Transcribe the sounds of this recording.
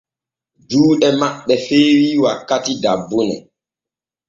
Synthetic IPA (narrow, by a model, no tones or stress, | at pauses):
duːɗɛmaɓːɛfeːwiwakːatidabːunɛ̰